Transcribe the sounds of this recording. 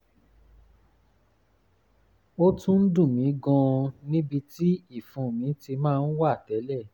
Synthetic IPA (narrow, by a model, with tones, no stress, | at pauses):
o˦tũ˦n̩˦dũ˦˨mĩ˨˦ɡɔ̃˧nĩ˦bi˧ti˦i˦˨fũ˨mĩ˨˦ti˧mãː˦˧n̩˦wa˦˨tɛ˨˦lɛ˦˨